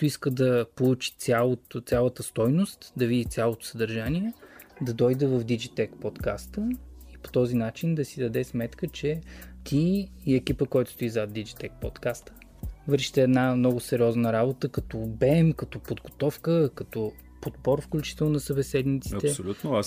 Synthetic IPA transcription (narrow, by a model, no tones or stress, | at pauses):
t̪oiskəd̪ɐpolˠut͡ʃi̥t̪sʲjalˠot̪t̪sʲjalˠət̪əst̪ɔjnost̪d̪ɐvid̪it̪sʲalˠot̪ʊ̥səd̪ɐɾʒaniɛd̪ɐd̪ɔjd̪əvəvd̪id͡ʒit̪ɛkpot̪kast̪əipo̥t̪ɔzinat͡ʃind̪ɐsid̪ɐd̪ɛsmɛt̪kət͡ʃɛt̪ʰiːɛkʲipəkɔjt̪ʊ̥st̪uizad̪id͡ʒit̪ɛk̚pot̪kast̪ə̥ | vəɾʃi̥t̪ɛːd̪namnɔɡʊsɛɾiɔznəɾabot̪əkɐt̪ɔbɛmkɐt̪ɔpod̪ɡot̪ɔfkəkɐt̪ɔ | pod̪bɔɾfklʲut͡ʃi̥t̪ɛlˠnɐsəbɛsɛd̪nit̪siɐt̪ɛolʲut̪noa